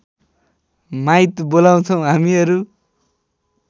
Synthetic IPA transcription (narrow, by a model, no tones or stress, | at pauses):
majt̪bolaw̃t͡sʰʌw̃ɦamiʌɾu